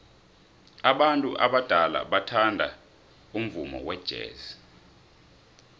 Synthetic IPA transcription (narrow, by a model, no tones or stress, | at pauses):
aɓantʼuʔaɓad̥ʱala̰ɓatʰandʱa̰ | um̩vumɔ̰wɛd̥ʒ̥ʱḛːzi